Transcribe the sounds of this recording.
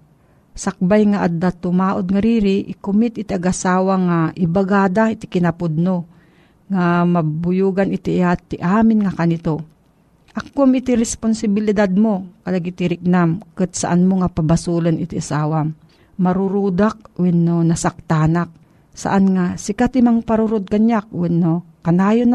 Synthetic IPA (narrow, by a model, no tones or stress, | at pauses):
sak̚bajŋaʔad̪at̪ʊmaːʔod̪̚ŋaɾiɾɪʔɪkʊmɪt̪ʔɪt̪iaɡʔasaːwaŋaʔɪbaɡaːd̪ait̪ɪkɪnapʊd̪̚no | ŋamɐbʊjuːɡanʔɪt̪ɪʔaːt̪ɪʔaːmɪnŋakanɪt̪o | ʔakkuamɪt̪iɾɛsponsɪbɪlɪd̪ad̪̚mokɐlaɡit̪iɾɪk̚namkɨt̪̚sa̰ʔanmoŋapɐbasulanʔɪt̪iʔasaːwa | mɐɾʊɾud̪ak̚wɛnːonɐsak̚t̪aːnak̚ | sa̰ʔanŋasɪkat̪imaŋpaɾuɾod̪̚kaɲjak̚wɛnːo | kɐnaːjon